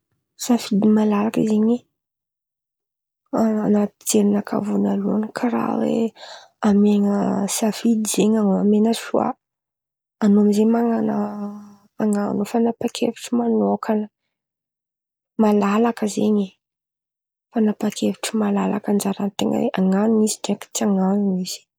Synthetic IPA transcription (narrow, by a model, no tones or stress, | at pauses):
safid̪imalalakizeɲe | anat̪i̥t͡seɾinakʰa̰vunalunkʰaɾa̰wḛ | ameŋəsafid̪iz̥eɲaŋoamenəʃua̰ | anoamizeɲmaŋanə | aŋanufanapakʰḛviʈ͡ʂimanokʰanə | malalakəzḛɲe | fanapakʰevi̥ʈ͡ʂimalala̰kand͡ʒaɾant̪eŋə̰wḛʔaŋanuiziʈ͡ʂaki̥t͡saŋanuiz̥i̥